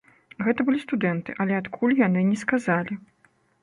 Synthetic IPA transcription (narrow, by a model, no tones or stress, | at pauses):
ɣɛt̪ɐbɨlʲist̪ud̪ɛnt̪ɨʔɐlʲɛat̪kʰulʲjanɨnʲɛskazalʲi